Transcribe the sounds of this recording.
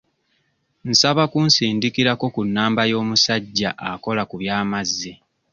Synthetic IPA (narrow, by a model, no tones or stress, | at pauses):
n̩saβakunsiːndikiɾako̞kunːaːmbajo̞ːmusaɟːaʔako̞lakuβjaːmazːi